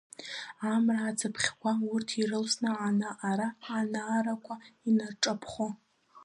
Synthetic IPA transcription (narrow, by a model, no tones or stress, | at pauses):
amraːt͡sʰapʰχʲkʷʰaurtʰirɨlsnɨanaʔaɾaːnaːɾakʷʰainarʈ͡ʂʼapʰχo